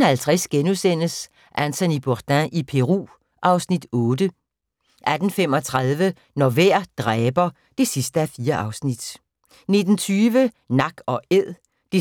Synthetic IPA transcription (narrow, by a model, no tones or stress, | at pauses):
nhælt͡sʰʁɛsɡ̥enusen̰əs | ʔænt͡sʰænib̥od̥æ̃ʔipʰe̝ʁṵː | ʔɑ̈ʊsnid̥ɔ̽ːd̥ə | ʔæd̥n̩fem̰ɒ̽t͡sʰʁað̞ˠʋə | nɒʋæɐ̰d̥ʁɛːb̥ɐ | d̥e̝sisd̥əæfiːɐʔɑ̈ʊsnid̥ | ned̥n̩t͡sʰyːʋənɑ̈ɡ̥ɒ̽eð̰ˠ | d̥e